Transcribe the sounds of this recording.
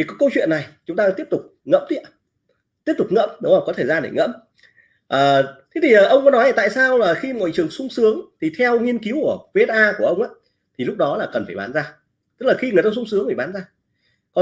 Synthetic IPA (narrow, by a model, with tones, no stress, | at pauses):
i˨˩kɔ˨˦jkə˧wt͡ɕwḭ˧˨ənːa˨˩jt͡ɕʊ˨˦ŋ͡mt̪aː˧t̪i˦˥pt̪ʊ˨˩k͡p̚ŋə̰˧˥mt̪ḭ˧˨ə | t̪i˦˥əp̚t̪ʊ˨˩k͡p̚ŋə̰˧˥mɗə˨˦wa˨˩kɔ˨˦t̪ʰe˧˩zaː˧nḛ˧˩ŋə̰˧˥m | ʔəː˨˩t̪ʰe˨˦t̪ʰi˨˩ʔəː˨˩ʔə˧wŋ͡mkɔ˨˦nɔ˨˦ja˧˩t̪a̰ː˧˨jsaː˧wlaː˨˩xi˧ŋo̰˧˨jt͡ɕɨ˨˩əŋsʊ˧ŋ͡msɨ˨˦əŋt̪ʰi˨˩t̪ʰɛ˧wŋi˧ənki˨˦wku˧˩əve˧˦˥t̚ʔaː˧ku˧˩əʔə˧wŋ͡mʔaː˨˦ | t̪ʰi˨˩lʊ˦˥k͡p̚ɗɔ˨˦laː˨˩kə˨˩nfaː˧˩jɓaː˨˦nzaː˧ | t̪ɨ˦˥k̚laː˨˩xi˧ŋɨ˨˩t̪aː˧sʊ˧ŋ͡ms̬ɨ˨˦ŋfaː˧˩ɓaː˨˦nzaː˧ | kɔ˨˦